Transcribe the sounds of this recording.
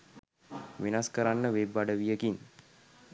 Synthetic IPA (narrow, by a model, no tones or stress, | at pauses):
ʋinaskəɾanːəʋebːaɖəʋijəkin